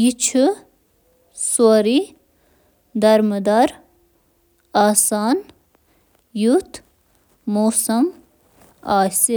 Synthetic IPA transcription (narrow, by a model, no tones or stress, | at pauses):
jit͡ʃʰu | suɾi | d̪ɐɾməd̪ɐɾ | aːsaːn | jut̪ʰ | moːsɐm | aːsi